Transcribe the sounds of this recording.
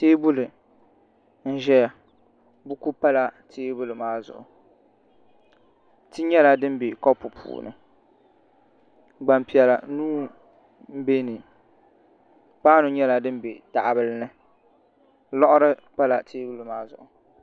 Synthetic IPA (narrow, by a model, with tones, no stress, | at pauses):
teː˦bu˦lɨ˨ | n̩˦ʒɛ˦ja˨ | bu˦ku˦pa˦la˨tʰeː˦bu˦lɨ˨maː˦zʊ̰˨ʔʊ˨ | ti˦ɲɛ˦la˨dɨ˦m˦be˨kɔ˦pu˨pʰṵː˨nɨ̰˨ | ɡ͡ba˨mpi˨ɛ˨la˨nuː˦ | m̩˦be˦nɨ˨ | paː˦nʊ˨ɲɛ˦la˨dɨ˦m˦be˨ta˨ʔbɨ˦lɨ˦nɨ˦ | lɔ˦ʔʊ˦ɾɨ˦pa˦la˨tʰeː˦bu˦lɨ˨maː˦zʊ̰˨ʔʊ˨